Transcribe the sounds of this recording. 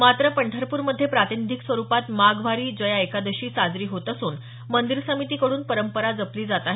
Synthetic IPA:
mat̪ɾəpəɳʈʰəɾpuːɾməd̪ʱːjepɾat̪inid̪ʱiksʋəɾupat̪maɡʋaɾiːd͡ʑəjaekad̪əɕiːsad͡zɾiːɦot̪əsuːn | mənd̪iɾsəmit̪iːkəɽuːnpəɾəmpəɾad͡zəpliːd͡zat̪aɦ

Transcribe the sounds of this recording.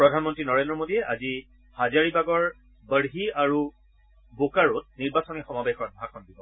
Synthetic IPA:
pɹɔdʱanmɔntɹinɔɹendɹɔmodiɛʔa̰zi | hazaɹibaɡɔɹ | bəɹɦiaɹu | bokaɹɔt̚niɹbasɔnixɔmabexɔt̚bʱaxɔnbibɔ

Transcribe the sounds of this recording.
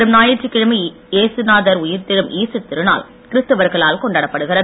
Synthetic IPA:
ɾɯmnaːjɪɾt͡ʃːikːɪɻɐmɐ | eːsɯnaːðɐɾʊjɪɾt̪ɪɾɯmʔiːsɯt̪ːɪɾɯna̰ːl | kɪɾɯst̪ɯʋɐɾɣɐɭaːlkɔɳɖaːɽɐpːɐɽɯɣɪɾɐ

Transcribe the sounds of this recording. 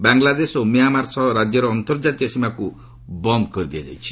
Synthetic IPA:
baŋlad̪esomijamaɾsɔɾad͡ʒjɔɾɔːnt̪ɔɾd͡ʒat̪iɔsimaku | bɔnd̪ɔkɔɾid̪iad͡ʒa̰jt͡ʃʰi̥

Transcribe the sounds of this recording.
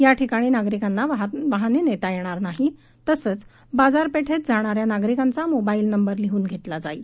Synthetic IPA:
jaʈʰikaɽ̃iːnaɡɾikanːaʋʋaɦanenet̪ajeɽ̃aɾnaɦi | t̪əsəːt͡s | bad͡zaɾpeʈʰet̪d͡zʱaɽ̃aɾjanaɡɾikant͡samobailnəmbəɾliɦuːnɡʱet̪lad͡zaiːl

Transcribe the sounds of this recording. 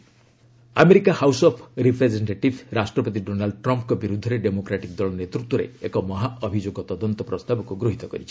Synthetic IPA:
ameɾikahawsɔpʰɾipʰɾed͡ʒeɳʈeʈibʱɾasʈɾɔpɔt̪̬iɖonalɖʈɾɔmpkɔbiɾud̪ʱːɔɾeɖemokɾaʈik̚d̪ɔlɔnet̪ɾut̪wɔɾḛekɔmɔɦaɔbʱid͡ʒoɡɔt̪ɔd̪ɔnt̪ɔpɾɔst̪abɔkuɡɾuɦit̪ɔkɔɾit͡ʃʰi̥

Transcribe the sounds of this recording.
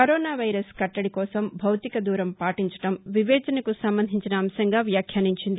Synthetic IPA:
kɐɾɔːnaːʋɐjɾɐskɐʈːɐɽikɔːsɐmbʱɐwt̪ikɐd̪uːɾɐmpaːʈiɲt͡ʃɐ̥ʈɐmʋiʋɛːd͡ʒɐnɐkusɐmbɐnd̪ʱiɲt͡ʃinɐːmsɐŋɡaːʋjaːkʰjaːniɲt͡ʃind̪i

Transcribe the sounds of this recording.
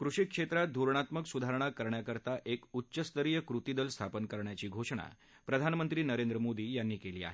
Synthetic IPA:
kɾuʂikʂet̪ɾat̪̚d̪ʱuɾɳat̪məksud̪ʱaɾəɳ̃akəɾɳjakəɾt̪aʔekutːɕəst̪əɾijəkɾut̪id̪əlst̪ʰapənkəɾɳjat͡ɕiːɡʱoʂɳ̃a̰ | pɾəd̪ʱanmənt̪ɾiːnəɾend̪ɾəmod̪iːjanːiːkeliːa̰ɦe

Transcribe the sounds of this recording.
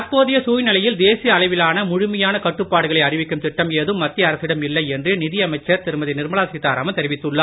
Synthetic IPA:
ɐɾpoːðɪjɐsuːjnɪlɐjɪld̪eːsɪjɐɐlɐɪʋɪlaːnɐmʊɻʊmɐjaːnɐkɐʈːɯpːaːɽɯɣɐɭɐɪɐrɪʋɪkːɯmt̪ɪʈːɐmeːðɯmːɐt̪ːɪɐɾɐsɪɽɐmɪlːɐɪɛndrɯnɪðɪjɐmɐɪt͡ʃːɐɾt̪ɪɾɯmɐðɪnɪɾmɐɭaːsɪt̪ːaːɾaːmɐt̪ɛɾɪʋɪt̪ːɯɭːɐaː

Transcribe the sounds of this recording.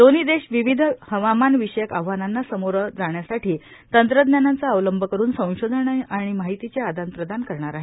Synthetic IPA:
d̪onid̪eɕʋiʋid̪ʱhəʋamanʋiɕəjəkaʋ̤ʋananːasəmoɾəd͡zaɳjasaʈiː | t̪ənt̪ɾəd̪njanant͡saəʋləmbʱəkəɾuːnsə̃w̃ɕod̪ʱənaaɽ̃imaɦit̪it͡ɕead̪ʱant̪ɾəd̪ʱankəɾɳaɾaɦe

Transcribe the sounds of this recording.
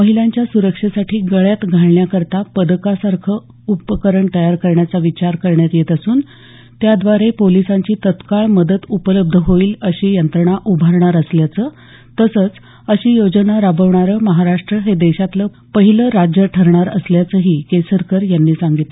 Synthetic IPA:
məɦiljaɲt͡ɕjasuɾəkʂəsaʈiːɡəɭjat̪ɡʱaɭɳjakəɾt̪apəd̪kasaɾkʰə | upəkəɾəɳt̪əjaɾkəɾɳjat͡saʋit͡ɕaɾkəɾɳjat̪jet̪asuːn | t̪jad̪ʋaɾepolisaɲt͡ɕiːt̪ət̪kaɭməd̪ət̪upələb̚d̪ʱəɦoiːləɕiːjənt̪ɾəɳaʔubʱaɾɳaɾəsljat͡səː | t̪əsət͡s | əɕiːjod͡ʑənaɾabəʋɳaɾəməɦaɾaʂʈɾəɦed̪eɕat̪ləː | pəɦiləɾad͡ʑjəʈʰəɾɳaɾəsljat͡səɦiːkesəɾkəɾjanːiːsaŋɡit̪le

